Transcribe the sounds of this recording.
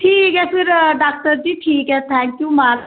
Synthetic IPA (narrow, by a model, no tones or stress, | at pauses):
ʈʰiːkɦɛpɪɾɖaːk̚ʈəɾd͡ʒiːʈʰiːkɦɛt̪ʰɛ̃ːŋkjuːma